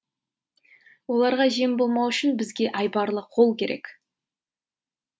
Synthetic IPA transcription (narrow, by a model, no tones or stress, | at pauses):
wo̞lˠɑɾʁɑʒie̞mbo̞lˠmɑwʏʃɪnbɪzɡʲe̞ʔɑjbɑɾlˠəqʰo̞lˠkʲʰe̞ɾe̞̰kʲ